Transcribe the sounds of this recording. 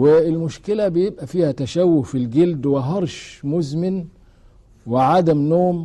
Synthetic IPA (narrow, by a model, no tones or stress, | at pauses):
wɪːlmʊʃkɪlæbɪjebʔæfiːhæt̪æʃæwːʊfilɡeld̪wɪɦɑɾˤʃmʊzmɪn | wɪʕad̪æmnoːm